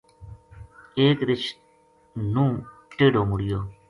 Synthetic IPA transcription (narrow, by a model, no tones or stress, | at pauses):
eːkɾɪt͡ʃ | nũːʈeːɖoːmʊɽɪjoː